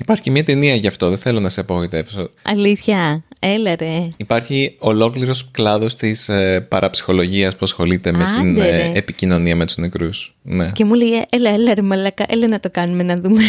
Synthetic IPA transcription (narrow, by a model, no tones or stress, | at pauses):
ipɐɾçicemiɐt̪e̞niɐʝɐft̪o̞ðeθe̞lo̞nɐseɐpɐɣo̞it̪e̞vso̞ɐ̰liθçɐelɐɾeipɐɾçio̞lo̞kliɾo̞sklɐðo̞st̪ispɐɾʔɐpsi̥xo̞lo̞ʝiɐspuɐsxo̞lit̪e̞meineepicino̞niɐmet̪uznekɾusne̞cemulejeʔelɐelɐɾemɐlɐkɐʔelenɐt̪o̞kɐnumenɐðume